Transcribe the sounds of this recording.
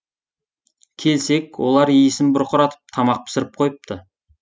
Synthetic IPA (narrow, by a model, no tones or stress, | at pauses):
kʲʰe̞lse̞kwo̞lˠɑɾijɪsɪnbʊɾqʊɾɑt̪ə̥p̚t̪ʰɑmɑq̚pʰɪ̥sɪɾɪp̚qʰo̞jəp̚t̪ə